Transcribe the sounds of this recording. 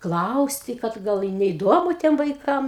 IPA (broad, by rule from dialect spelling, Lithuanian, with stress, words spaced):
ˈklˠɐʊsʲtʲɪ kɐt ˈɡɐlˠ ɪ nʲɛɪˈdoːmʊ ˈtʲiɛm ʋɐɪˈkɐm